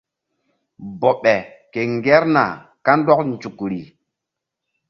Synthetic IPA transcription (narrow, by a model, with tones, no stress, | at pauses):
bɔ˨ɓɛ˨ke˨ŋɡɛ˦ɾna̰˨ | ka˦n˦dɔ˦kn˨t͡ʃu˨kɾi˨